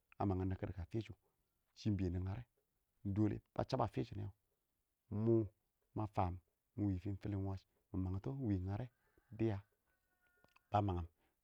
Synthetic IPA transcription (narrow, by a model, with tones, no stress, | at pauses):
a̰˨ma˨ŋə˨na˨kə˦dka˨fe˦t͡ʃu˨ | t͡ʃi˦m˦bi˨e˨ni˨ŋa˨ɾʔe˦˨ | do˦lḛ˨b̥a̰˦t͡ʃa˦ba˨fe˦t͡ʃu˨nḛ˦a˨ | mu˦ | ma˨faː˨mː | u˨wi˨fi˦n˦fi˦li˦n˦wa˦t͡ʃ | mu˨ma˨ŋ˨˦to˦wi˨ŋa˨ɾe˦ | di˦ja˦ | b̥a˦ma˨ŋa˨m